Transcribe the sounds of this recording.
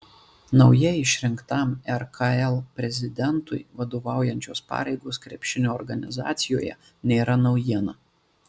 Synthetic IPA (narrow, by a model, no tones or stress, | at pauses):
nɒʊjɛɪʃʲɾʲɪŋkt̪ɑˑmɛɾkɑɛlˠpʲɾʲɛzʲɪd̪ʲɛnt̪ʊ̰ɪʋɐd̪oːʋɑˑʊjɛnʲt͡ʃʲoːspɑ̰ːɾʲɛɪɡoːskɾʲɛpʲʃʲɪnʲoːɔɾɡɐnʲɪzɑ̰ːt̪sʲɪjoːjɛ̰ | nʲeːɾɐnɒʊjiɛnɐ